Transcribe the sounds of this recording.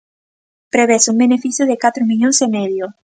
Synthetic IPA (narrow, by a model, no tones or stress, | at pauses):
pɾeβesuŋbenefiθjʊðekat̪ɾomiʎoŋsemɛðjo